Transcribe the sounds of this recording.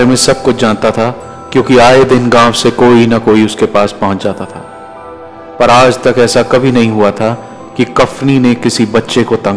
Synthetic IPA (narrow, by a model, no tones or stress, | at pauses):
ɾemẽsɐb̚kʊt͡ʃʰd͡ʒãːnt̪at̪ʰa | kjõːkiaːed̪ɪnɡãːʋsekoːinɐkoːiʊskepaːspɐɦʊ̃nt͡ʃd͡ʒaːt̪at̪ʰaː | pɐɾaːd͡ʒt̪ɐkɛːsakɐbʱinɐɦĩɦuat̪ʰa | kikɐfninekɪsibɐtːʃekot̪ɐ̃